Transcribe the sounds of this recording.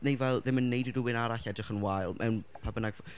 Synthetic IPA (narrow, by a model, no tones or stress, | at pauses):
nejvɛlˠðɪmənːejdɪduwɪnaɾaɬɛdrɪχənwajlˠmʔɛ̰wnpʰabənaɡv